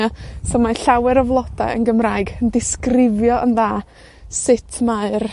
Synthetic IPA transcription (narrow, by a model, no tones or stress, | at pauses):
asɔmaɬawɛɾəvlˠɔd̥aə̰nɡəmraːɨɡəndɪskrɪvjɔʔənðaː | sɪtʰmaɨr